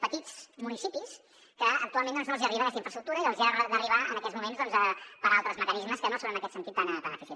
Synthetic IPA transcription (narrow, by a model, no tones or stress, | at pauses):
pət̪id͡zmunisipis | kəək̚t̪ualˠmend̪ɔnznolˠziəriβənəkɛst̪iɱfɾəstɾuk̚t̪uɾəiəlˠziərd̪əriβaə̰nəɐkɛtzmumenzðɔnzəpəɾalˠt̪ɾəzməkənizməskənosonənəkɛt̪sənt̪it̪ːanət̪anəfisi